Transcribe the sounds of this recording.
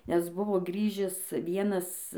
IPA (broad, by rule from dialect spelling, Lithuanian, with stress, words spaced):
ˈnʲɛs ˈbʊʋoː ˈɡrʲiːʒʲɪs ˈʋʲiɛnɐs